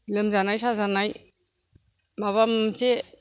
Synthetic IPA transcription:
lɯmzanajsazanaj | maβamt͡ʃe

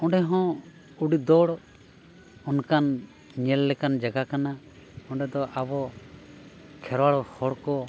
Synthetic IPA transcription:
ɔ̃ɖɛɦɔ̃ | uɖid̪ɔɽ | ɔnkan | ɲɛlːɛkand͡ʒaɡakana | ɔ̃ɳɖɛd̪ɔʔabɔ | kʰɛɾwaɽɔhɔɽkɔ

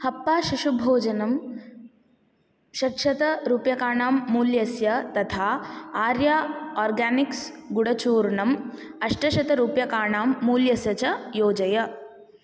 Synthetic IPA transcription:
hɐpːaːʃuʃubʱoːd͡ʒɐnɐm | ʃɐkʃɐt̪ɐɾuːpjɐkaːɳaːmːuːljɐsjɐt̪ɐt̪ʰaːaːɾjaːɔːɾɡaːniksɡuɽɐt͡ʃuːɾɳɐmɐʃʈɐʃɐt̪ɐɾuːpjɐkaːɳaːmːuːljɐsjɐt͡ʃɐjoːd͡ʒɐjɐ

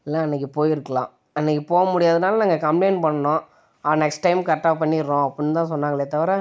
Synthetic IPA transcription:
ɛlːãːɛnːɛk̬ːɯpoːjɪɾɯkːɐlã̰ː | ɛnːɛkːɯpoːɣɐmʊɽɪjaːðɯnaːlɐnaːŋɡɐkɐmpleɪnpɐɳːɐnõː | ɐnɛksʈːɐɪmkɐʈːaːpːɐɳːɪɾːõɐpːɐɳːt̪ãːs̬ɔnːaːŋɡɐɭeːt̪ɐʋɐɾɛ

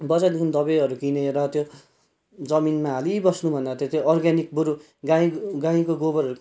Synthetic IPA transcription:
bʌt͡sad̪ekʰund̪ʌbeʌɾukineɾʌt̪jo | d͡zʌminmaɦalibʌsnubʱʌneɾʌt̪jot̪joʌrɡanik̚buɾu | ɡaĩɡãĩkoɡobʌɾʌɾu

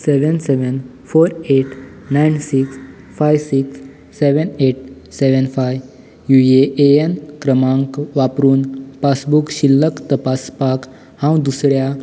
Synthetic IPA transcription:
seʋənseʋən | foːɾeʈ | najnsiks | fajʋsiksː | eʋəneʈ̚ | seʋənfaj | jueʔeenkɾəmãŋkʋapɾuːnpasbukɕilːəkt̪əpaspak | hãw̃d̪usɽja

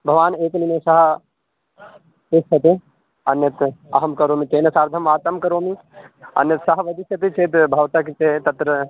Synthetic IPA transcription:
bʱɐʋaːneːkninesɐɦɐ | esɐt̪e | ɐnjɐt̪ɐɦɐmkɐɾoːmit̪eːnɐsaːɾd̪ʱɐmʋaːt̪ɐmkɐɾoːmi | ɐ̰njɐt̪sɐɦɐʋɐd̪isɐt̪it͡ʃeːt̪bʱɐʋt̪akit̪et̪ɐt̪ɾɐ

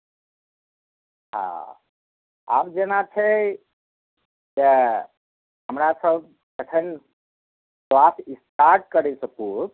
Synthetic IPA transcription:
ɦã̰ | a̰ːmd͡ʒenat͡ʃʰe | ke | ɦəmɾasəb̚ | kətʰən | klasist̪aɾʈ̚kəɾesəku

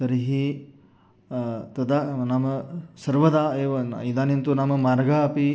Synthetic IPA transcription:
t̪ɐɾiɦi | t̪ɐd̪anamɐsɐɾʋɐd̪aeːʋɐid̪aːnint̪unaːmɐmaːɾɡaɐpi

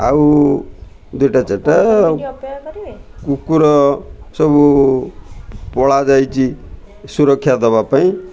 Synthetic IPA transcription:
a̰u | d̪ujʈat͡seʈːa | kukuɾʌsʌbu | pɔɭad͡zajt͡si | suɾʌkʰːjad̪ɔbapaĩ

